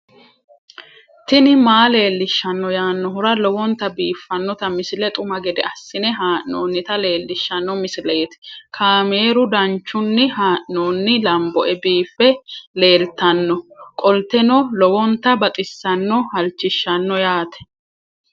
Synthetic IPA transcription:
t̪ɪnɪmaːle̞ːlːɪʃːɐnːɔjaːnːɔɦʊɾɐlɔwɔnt̪ɐbiːfːɐnːɔt̪ɐmɪsɪlɛt̪ʼʊmɐɡɛd̪ɛ̰ɐsːɪnɛɦaːʔnoːnːɪt̪ɐle̞ːlːɪʃːɐnːɔmɪsɪleːt̪ɪ̥kʰaːmeːɾʊd̪ɐnt͡ʃːʊnːɪhaːʔnoːnːɪlɐmbɔʔɛbiːfːɛle̞ːlt̪ɐnːɔkʼɔlt̪ɛnɔlɔwɔnt̪ɐbɐt̪ʼɪsːɐnːɔhɐlt͡ʃːɪʃːɐnːɔjaːt̪ɛ̥

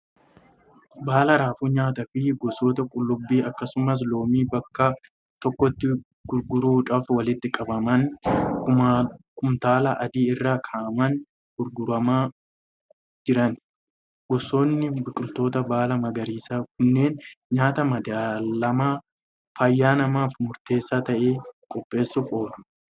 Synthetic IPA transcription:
baːlɐɾaːfuːɲaːt̪ɐfɪɡɔso̞ːt̪ɐkʼʊlːʊbːiːɐkːɐsʊmɐs̬lo̞ːmiːbɐkːɐ | t̪ɔkːɔt̪ːɪ | ɡ̥ʊɾɡʊɾuːᶑɐfwɐlɪt̪ːɪkʼɐbɐmɐnkʊkʊmt̪aːlɐʔɐd̪iːɪrːaːkʰaːʔɐmɐn | ɡ̥ʊɾɡʊɾɐmaː | d͡ʒɪɾɐn | ɡʊso̞ːnːɪbɪkʼʊlt̪o̞ːt̪ɐbaːlɐmɐɡɐɾiːsaːkʊnːe̞ːnɲaːt̪ɐmɐd̪aːlɐmaː | fɐjːaːnɐmaːfmʊɾt̪e̞ːsːaːt̪ɐʔeːkʼɔpʼːe̞ːsːʊfo̞ːᶑʊ̥

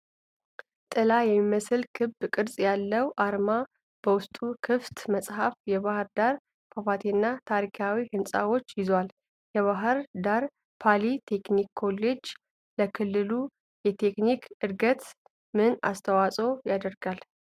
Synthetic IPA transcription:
t̪ʼɨlajɛmːiməsɨlkʰɨbkʼɨɾsʼjalːəwʔaɾma | b̥əwʊst̪ʼukʰɨft̪məsʼhafjɛβahɨɾd̪aɾ | kʰafat̪ʰenːat̪ʰaɾikʰawihɨnsʼa̰wo̞t͡ʃːjɪzwal | jɛβaɦɨɾd̪aɾ | pʰalit̪ʰe̞knikːʰo̞lːe̞d͡ʒ | ləkʰɨlːɨlu | jɛt̪ʰe̞knikɨɾɡət̪ | mɨna̰st̪ʰəwasʼo̞jad̪əɾɡal

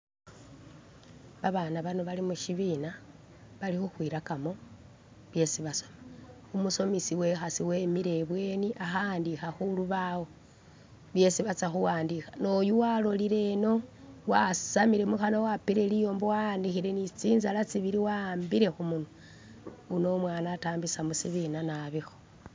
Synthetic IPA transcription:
βaβanaβanoβalimuʃiβina | βalixuxwiːɾakamo̞ | βje̞siβaso̞me | umuso̞misiwe̞xasiwe̞miɾe̞βwe̞niʔaxandixaxuluβawo̞ | βje̞siβat͡saxuwaːndixḁno̞juwalo̞liɾe̞no̞ | wasamiɾe̞muxanowapiɾe̞lijo̞ːmbowandixiɾe̞nit͡siːnzalat͡siβiɾiwambiɾe̞xumuno | uno̞mwaːnaːtaːmbisamusiβinanaβixo̥

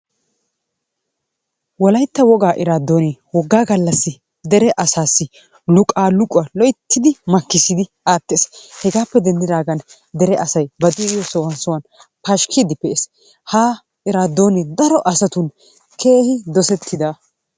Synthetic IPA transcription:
wɔlɐjt̪ːɐwɔɡaːʔɪɾaːd̪ːoːneːwɔɡːaːɡɐlːɐsːɪ | d̪ɛɾɛʔɐsaːsːɪ | lʊkʼaːlʊkʼʊɐlɔjt̪ʰːɪd̪ɪmɐkːɪsɪd̪ɪ | aːt̪ːeːshɛɡaːpːɛd̪ɛnd̪ɪd̪aːɡɐn | d̪ɛɾɛʔɐsɐjbɐd̪ʊɪjɔsɔwɐnsʊwɐn | pɐʃkʰɪd̪ɪpɛes | haː | ɪɾaːd̪ːo̞ːneːd̪ɐɾɔʔɐsɐt̪ʊn | kʰe̞ːhɪd̪ɔsɛt̪ʰːɪd̪a

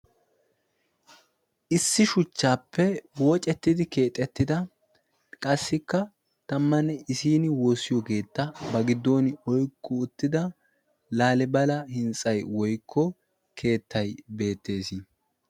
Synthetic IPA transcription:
ʔɪsːɪʃʊt͡ʃːaːpːɛwɔt͡ʃʼɛt̪ːɪd̪ɪke̞ːt̪ʼːɛt̪ːɪd̪ɐ | kʼɐsːɪkːɐ | t̪ɐmːɐnːɛɪsiːnɪwoːsːɪjɔɡe̞ːt̪ːɐbɐɡɪd̪ːo̞ːnɪɔjkʰːɔʊt̪ːɪd̪ɐ | laːlɛbɐlɐhɪnt͡sʼɐjwɔjkʰːɔ | kʰe̞ːt̪ːɐjbe̞ːt̪ːe̞ːsɪ

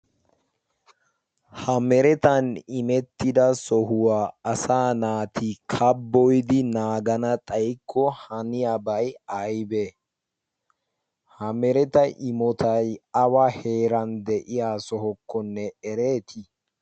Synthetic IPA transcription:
hɐmɛɾɛt̪ɐnɪmɛt̪ːɪd̪ɐsɔɦʊwaːɐsaːnaːt̪ʰɪkʰɐbːɔjd̪ɪnaːɡɐnɐt̪ʼɐjkʰːɔhɐnɪjabɐjɐjbe | hɐmɛɾɛt̪ɐʔɪmɔt̪ʰɐjɐwahe̞ːɾɐnd̪ɛʔɪjaːsɔɦɔkːɔnːɛɛɾe̞ːt̪ʰɪ

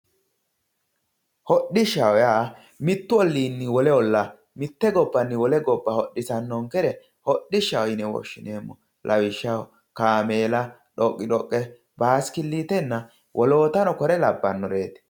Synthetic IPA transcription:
hɔɗɪʃɐwɔjaː | mɪt̪ːʊɔlːiːnːɪwɔlɛɔlːɐ | mɪt̪ːɛɡɔbːɐnːɪwɔlɛɡɔbːɐhɔɗːɪsɐnːɔŋkɛɾɛ | hɔɗːɪʃɐwɔjnɛwɔ̰ʃːɪneːmːɔ | lʔɐwɪʃːɐ | kaːmeːlɐ | ɗɔkʼːɪᶑɔkʼːɛ | baːskɪlːiːt̪ɛnːɐ | wʔɔloːt̪ɐnɔkɔɾɛlɐbːɐnːɔɾeːt̪

